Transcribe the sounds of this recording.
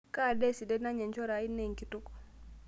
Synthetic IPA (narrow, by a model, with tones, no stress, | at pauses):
ka˦˨dɛ˦si˨dɛ˦na˦ɲɛ˨ɲt͡ʃɔ˦ɾa˨i˦nːe˦˨ŋki˨tu˦k